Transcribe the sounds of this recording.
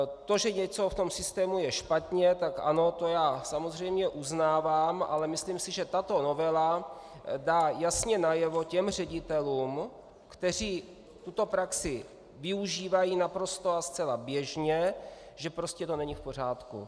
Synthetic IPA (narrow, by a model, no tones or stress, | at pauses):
t̪o̞ʒɛɲɛt͡so̞ft̪o̞msɪst̪ɛːmujɛʃpat̪ɲɛt̪akʔa̰no̞t̪o̞jaːsamozr̝ɛjmɲɛʔuznaːvaːmʔa̰lɛmɪslimsɪʒɛt̪at̪o̞no̞vɛla | daːjasɲɛnajɛvo̞cɛmrɛɟɪt̪ɛluːm | kt̪ɛr̝iː | t̪ut̪o̞pɾaksɪ | vɪuʒiːvajiːnapɾo̞st̪o̞ast͡sɛlabjɛʒɲɛ | ʒɛpɾo̞scɛt̪o̞nɛɲɪfpo̞r̝aːt̪kṵ